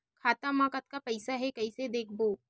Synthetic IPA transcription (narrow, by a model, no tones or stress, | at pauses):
kʰaːt̪amãːkət̪̚kapɐɪsaɦɛkɐised̪eːkʰboː